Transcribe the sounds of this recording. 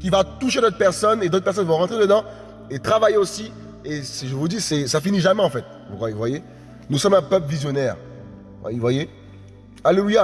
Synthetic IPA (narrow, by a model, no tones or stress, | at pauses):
kʲivat̪uʃed̪ɔt̪χpɛʁsɔned̪ot̪̚pɛʁs̬ɔnvɔ̃ʁɑ̃t̪χed̪əd̪ɑ̃ | et̪χavajeosi | esiʒəvud̪isɛsafiniʒamɛɑ̃fɛt̪ | vukχwajevwaje | nusɔmɛ̃pœpvizjɔnɛːʁ̰ | vwaje | aleluja